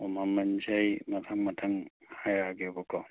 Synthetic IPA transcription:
ɔmamand͡ʒajmatʰaŋmatʰaŋhajaɡɛbɔkʰɔ

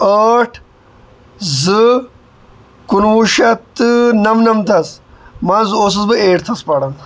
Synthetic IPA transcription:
əːʈʰ | zɨ | kunwuʃɐt̪ːɨnɐmnɐmt̪ʰɐsmɐzɨos̬ɐzbɨeːʈt̪ʰɐspɐɽɐn

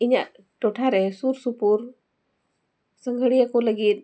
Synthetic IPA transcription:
iɲaʔ | ʈɔʈʰaɾɛsuɾsupuɾ | səŋɡʱəɽijakɔləɡit̪̚

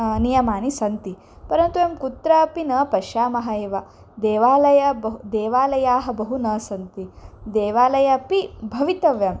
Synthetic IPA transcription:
nijɐmaːnisɐnt̪i | pɐɾɐnt̪uemkut̪ɾɐɐpinɐpɐʃaːmɐɦɐeːʋɐ | d̪eːʋaːlɐjɐbɐɦud̪eːʋaːlɐjaːɦɐ̆bɐɦunɐsɐnt̪id̪eːʋaːlɐjɐpibʱɐʋit̪ɐʋjɐm

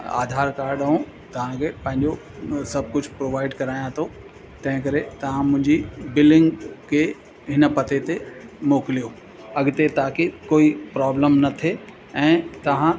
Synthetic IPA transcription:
a̰ːd̪ʱaːɾkaːɾɖəũ | t̪ɐʋ̤ãkʰepɐ̃ɦɪ̃ɲd͡ʑo | sɐb̚ʱkʊd͡ʑʱpɾoːʋaːɪɖkɐɾaːjãt̪ʰo | t̪ɐ̃ɦɪ̃kɐɾet̪ɐʋ̤ãmʊ̃ɦɪ̃ɲd͡ʑibɪlɖɪ̃ŋɡkʰe | ɦɪnəpɐt̪et̪emoːkɪlijo | ɐɡt̪et̪aːkekoːipɾaːbləmnɐt̪ʰe | ɛ̃ːt̪ɐʋ̤ã

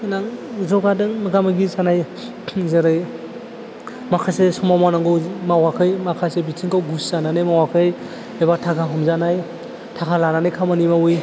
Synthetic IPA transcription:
inaŋzɔɡadɯŋmɯɡamɯɡizanaj | zaɾɯj | makʰasesɔmamanaŋɡɯmawakʰɯjmakʰasebitʰiŋkʰawɡuszananɯjmawakʰɯj | ebatʰakʰaɦɔmzanaj | tʰakʰalananɯjkʰamanimawɯj

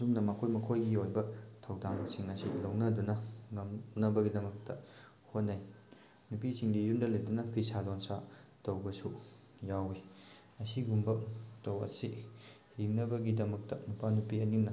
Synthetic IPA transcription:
suŋnɐmɐkʰojmɐkʰojɡiojbɐtʰɐwdaŋbɐsiŋɐsilɐwnɐdunɐŋɐmnɐbɐɡidɐmɐk̚tɐ | hot̚naj | nupisiŋdijundɐlɐjdunɐpʰisalonsatɐwbɐsu | jawi | ɐsiɡumbɐtɐwɐ̰si | jiŋnɐbɐɡidɐmɐk̚tɐmupʰanupiɐninɐ

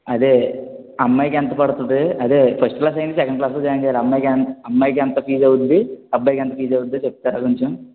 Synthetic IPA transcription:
ɐd̪e | ɐmːɐjkɛnt̪ɐpɐɽut̪und̪iɐd̪epʰɐsʈklaːs̬ɐjɳʈisɛkɐɳɖ̚klaːs̬lod͡ʒaːɐɲd͡ʒɛjaːliɐmːɐjknɐmːɐjkɛnt̪ɐpʰiːd͡ʒɐwud̪iɐbːɐjkɛnt̪ɐpʰiːd͡ʒɐwud̪et͡ʃep̚t̪aːɾaːkoɲt͡ʃem

